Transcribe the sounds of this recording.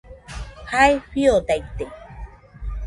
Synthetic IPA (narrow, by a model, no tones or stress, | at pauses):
haeɸiot̪ajt̪ːe